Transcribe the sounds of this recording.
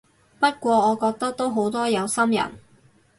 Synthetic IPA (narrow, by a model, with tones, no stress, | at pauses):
pɐ˥t̚kʷɔː˧ɔː˨˧kɔː˧k̚t̪ɐ˥k̚t̪o˥wɦo˨˥wt̪ɔː˥jɐ˨˧wsɐ˥mjɐ̰˨˩n